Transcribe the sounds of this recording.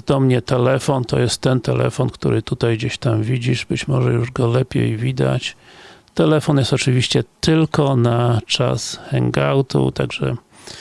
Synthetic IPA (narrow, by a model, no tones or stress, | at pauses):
d̪ɔmɲɛt̪ɛlɛfɔnt̪ɔ̰jɛst̪ːɛnt̪ɛlɛ̰fɔnkt̪uɾɘt̪ut̪ajɡd͡ʑeɕt̪amvʲid͡ʑiʐbɘt͡ɕmɔʐɛjuʐɡɔlɛpʲjḛjvʲid̪a̰t͡ɕt̪ɛlɛfɔnjɛst̪ɔt͡ʂɘvʲiɕt͡ɕɛt̪ɘlkɔnat͡ʂa̰sxɛŋɡawt̪ṵt̪aɡʐɛ̰